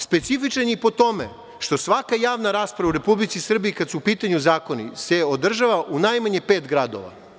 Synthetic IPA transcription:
spe̞t̪sifit͡ʃaniipo̞t̪o̞mḛ | ʃt̪o̞sʋakajaːʋnaɾaːspɾaʋauɾe̞publit̪sisr̩biikad̪suːpiːt̪aɲuzaːko̞nḭse̞o̞d̪r̩ʒaʋaʔunajmaɲepeːt̪ɡɾad̪o̰ʋa̰

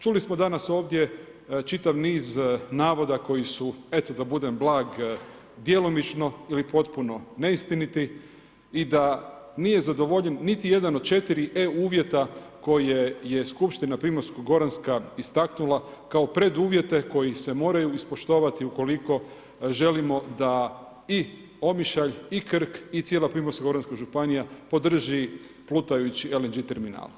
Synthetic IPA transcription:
t͡ʃulismo̞d̪anaso̞ːʋd̪je̞ | t͡ʃit̪aʋniːznaːʋo̞d̪ako̞jisue̞t̪od̪abud̪e̞mblˠaːɡ | d̪je̞lˠomit͡ʃno̞ilipo̞t̪puno̞ne̞ist̪init̪i | id̪a | nije̞zad̪o̞ʋo̞ʎe̞nːit̪ije̞d̪anod̪̥̚t͡ʃe̞t̪iɾiʔeuːʋje̞t̪a | ko̞jeje̞skupʃt̪inapɾimoɾskoɡo̞ɾanskaist̪aknulˠakao̞pɾe̞d̪uːʋje̞t̪e̞ko̞jise̞mo̞ːɾajuispo̞ʃt̪o̞ːʋat̪iuko̞liko̞ | ʒe̞limo̞d̪a | i | o̞miʃaʎikr̩kit̪sjelapɾimoskoɡo̞ɾanskaʒupanijapo̞d̪r̩ʒi | plˠut̪ajut͡ɕielend͡ʒit̪eɾmina̰ːlˠ

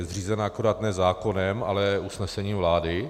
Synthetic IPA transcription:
zr̝iːzɛnaakoɾat̪nɛzaːko̞nɛma̰lɛusnɛsɛɲiːmvlaːdɪ

